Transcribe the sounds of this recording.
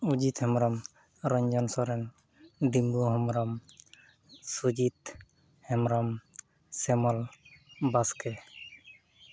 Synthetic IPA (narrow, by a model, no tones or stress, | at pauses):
ud͡ʒit̪hɛmɾɔm | ɾɔɲd͡ʒɔnsɔɾɛn | d̪imɡuɦɔmɾɔm | sud͡ʒit̪ | hɛmɾɔm | sɛmɔlbaskɛ